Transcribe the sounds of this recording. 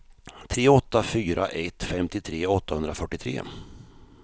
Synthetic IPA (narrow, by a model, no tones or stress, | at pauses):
t̪ʰɾeːɔt̪ːafyːɾʔa̰ʔɛt̪ːfɛmt̪ɪt̪ʰɾeːɔt̪ːahɵnd̪ɾafœʈːɪt̪ʰɾḛː